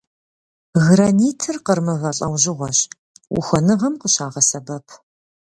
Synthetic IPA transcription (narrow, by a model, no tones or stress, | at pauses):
ɣraniːtʰɨrqərmɨvɐɬʼɐwʑɪʁʷɔɕ | wʊ̰xʷɔnɨʁɐmqəɕaːʁɐsɐbɐpʰ